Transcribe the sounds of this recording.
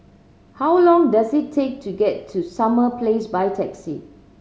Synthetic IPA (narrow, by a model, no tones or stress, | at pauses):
hawlɔ̃ŋdasitʰːek̚tʰuɡɛtʰːusaməpʰlesbajtʰɛksi